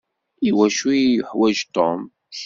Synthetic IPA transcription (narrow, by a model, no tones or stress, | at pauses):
iwæʃujʊħwæʒt̪om | ʃ